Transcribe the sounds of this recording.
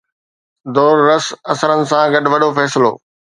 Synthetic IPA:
d̪ɔːɾːɐsɐsəɾənɪ̆sãɡɐɗʋɐɗofɛːsɪlo̰ː

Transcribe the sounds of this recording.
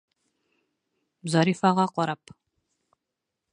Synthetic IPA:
zaɾiːfaʁɑqʷɔɾap

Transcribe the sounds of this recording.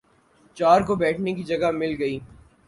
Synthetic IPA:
t͡ʃaːɾkobɛːʈʰnekid͡ʒɐɡamɪlɡɐiː

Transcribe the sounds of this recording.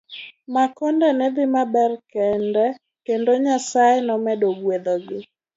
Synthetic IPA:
makɔndɛnɛd̪ɪmabɛrkɛndɛ | kendoɲasajenɔmɛdoɡwed̪oɡɪ

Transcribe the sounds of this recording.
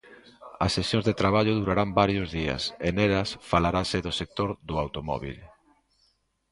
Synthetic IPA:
ɐsːesjõŋzðet̪ɾaβaʎʊðuɾaɾambaɾjʊzðiɐ̰seneɾɐsfalaɾasɪðʊsek̚t̪oɾðʊawt̪omɔ̰βḭl

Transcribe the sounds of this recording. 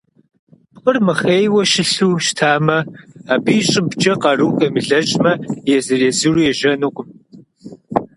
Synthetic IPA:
pqʼərmɨχeːjwɐʃɪɬuːʃtʰaːmɐaːbiːɕʼɪbd͡ʒɐqɑruːkʼɐmɨɮɐt͡ʃʼmɐjɛzɨreːzɨrujɛʒɐnuqʷʼʊm

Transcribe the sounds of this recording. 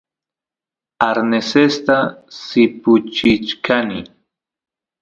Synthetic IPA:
aɾnesest̪asɪpʊt͡ʃɪt͡ʃkʰanɪ

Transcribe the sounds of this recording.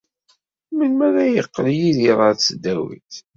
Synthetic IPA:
mənmæɾæjəqːljiðiɾˤɑɾt͡sːəd̪ːæwḭθ

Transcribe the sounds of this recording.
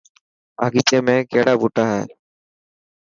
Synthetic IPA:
aːɡiːt͡ʃẽːmẽːkeːɽaːbuːʈaːɦɛ̰ː

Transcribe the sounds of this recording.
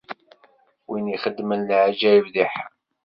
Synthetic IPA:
winiχəd̪ːmənlʕad͡ʒæjvðiħ

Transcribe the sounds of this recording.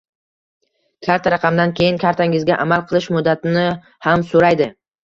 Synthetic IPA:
kʲʰaɾt̪ʰaɾɑqʰɑmd̪ankʲʰe̞jɪnkʲʰaɾt̪ʰaŋɪzɡʲaʔamalˠqʰɨlˠɪʃmʊd̪ːat̪ʰɪnɪ | hamsoɾajd̪ɪ

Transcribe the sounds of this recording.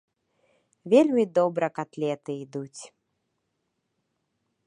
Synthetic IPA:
vʲelʲmʲid̪ɔbɾɐkat̪lʲɛt̪ɨid̪ut͡sʲ

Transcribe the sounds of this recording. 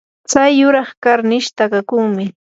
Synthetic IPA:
t͡sajːʊɾɑχkaɾnɪʃt̪akakuŋmɪ

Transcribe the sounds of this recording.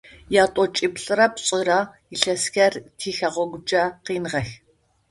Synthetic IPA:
jaːtʼɔt͡ʃʼipɬʼɨrɐpɕʼɨra | iɬɐsxɐrtʰiːxɐʁʷɔɡʷʊd͡ʒʼɐqiːnʁɐx

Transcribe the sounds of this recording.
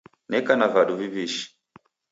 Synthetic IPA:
nɛkanavaɗuviβiʃi̥

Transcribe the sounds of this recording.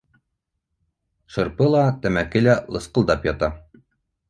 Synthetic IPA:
ʃɤ̆ɾpɤlˠɑt̪æmækɘlælˠɤ̆sqɤ̆lˠd̪ɑpjɑt̪ɑ

